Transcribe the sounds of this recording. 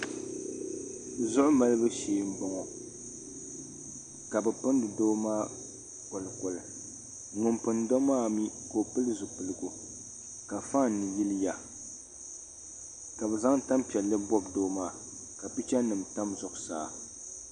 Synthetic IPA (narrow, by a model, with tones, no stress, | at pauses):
zʊ˦ʔʊ˦ma˦lɨ˦bɨ˦ʃeː˨˦m̩˦bɔ˨ŋɔ˨ | ka˨bɛ˨pɨ˦n˦dɨ˨doː˦maː˦ | kɔ˨lɨ˨kɔ˨lɨ˨ | ŋʊ˨mpɨ˨ndɔ˦maː˦˨mi˦ko˨pɨ˦lɨ˦zʊ˨pɨ˨lɨ˨ɡu˨ | ka˨fa˦˨nːɨ˨ji˦lɨ˦ja˨ | ka˨bɛ˨za˦ŋ˦ta˦mpi˨ɛ˨lːɨ˦bɔ˦bdoː˦maː˦˨ | ka˨pi˦t͡ʃɛ˦nɨ˨mta˦mzʊ˨ʔʊ˨sa̰ː˨